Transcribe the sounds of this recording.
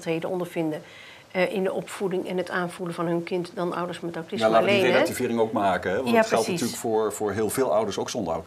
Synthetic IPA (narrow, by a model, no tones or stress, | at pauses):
tɦejdənɔndəɹvɪndə | ʔɪndəʔɔpfudɪŋɛnətaːnvuləvɑnɦɵnkɪntdɑnʔʌ̰wdəɹsmɛtaɹtɪsalaaleelativɪːɾɪŋowk̚maːkəɦɛʋnatχɛlˠtnaistyːləkfʊːɹvʊːɹɦɪːlˠveːlˠʌwdəɹsowksɔndəɹɔ̰w